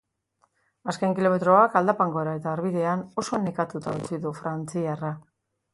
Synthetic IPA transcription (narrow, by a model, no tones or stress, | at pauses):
askeŋkilo̞me̞t̪ɾo̞akald̪apaŋɡo̞eɾae̞t̪aːɾβiðe̞ano̞so̞ne̞kat̪ut̪aut͡siðufɾant͡siara